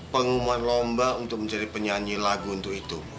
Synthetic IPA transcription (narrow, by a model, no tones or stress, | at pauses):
pəŋumuanlombaunt̪ʊk̚məɲt͡ʃaɾipəɲaɲilaɡuːnt̪ʊkit̪u